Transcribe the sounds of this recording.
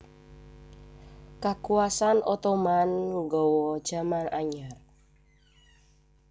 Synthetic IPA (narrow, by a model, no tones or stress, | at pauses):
kakuasanʔɔt̪ɔmanːuɡɔwɔ̥d͡ʒ̥a̤manaɲar